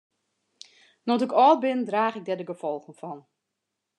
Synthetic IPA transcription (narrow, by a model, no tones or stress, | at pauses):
nɔtɪkɔːlˠbɪndraːxɪk̚dɛdəɡəfɔlˠxən̩fɔn